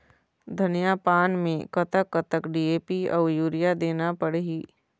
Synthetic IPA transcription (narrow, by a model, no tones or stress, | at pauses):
d̪ʱɐnijapaːnmẽkɐt̪əkːət̪əkɖiːeːpiɔːjuːɾijad̪eːnapəɽɦiː